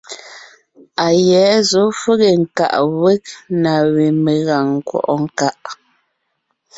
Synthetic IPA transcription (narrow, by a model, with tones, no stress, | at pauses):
a˨jɛː˨˦zo˨˦fe˦ɣe˨ŋ̩˨ka̰˨ʔwe˦k̚na˨we˨me˨ɣa˨ŋː˨kwɔ̰˨ʔɔ˦ŋ̩˦˨ka˦ʔ